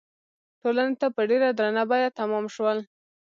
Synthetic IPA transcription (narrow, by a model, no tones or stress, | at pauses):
ʈolanet̪apəɖeɾad̪ɾanabajat̪amɑmʃwəl